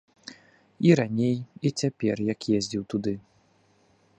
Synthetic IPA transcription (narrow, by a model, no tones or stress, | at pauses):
iɾanʲejit͡sʲapʲɛrjɐkjezʲd͡zʲiwt̪ud̪ɨ